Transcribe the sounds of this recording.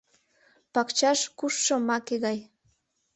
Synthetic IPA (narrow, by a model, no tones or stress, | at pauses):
pɑkt͡ɕɑʃkuʃːə̆mɑkeɣɑj